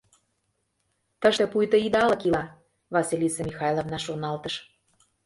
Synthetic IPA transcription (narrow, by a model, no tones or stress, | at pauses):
t̪əʃt̪ĕpujt̪ə̆id̪ɑlə̆kilɑ | βɑsʲilʲisemʲixɑjlˠovnɑʃonɑlt̪əʃ